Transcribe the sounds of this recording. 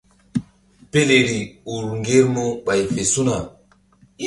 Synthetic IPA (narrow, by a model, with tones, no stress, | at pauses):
pe˦le˨ɾi˨u˨ɾŋɡe˦ɾmu˦ɓa˨jfe˨su˦na˨